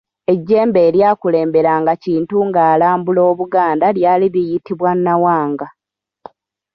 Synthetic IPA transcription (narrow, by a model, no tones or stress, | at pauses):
e̞ɟːe̞ːmbe̞ːɾjaːkule̞ːmbe̞ɾaŋɡaciːntuŋɡaːlaːmbulo̞ːβuɡaːndaljaːliβijitiβwanːawaːŋɡa